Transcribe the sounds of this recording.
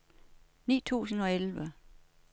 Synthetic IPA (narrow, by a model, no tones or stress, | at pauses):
nḭːt͡sʰṵːsn̩ɒ̽elʋə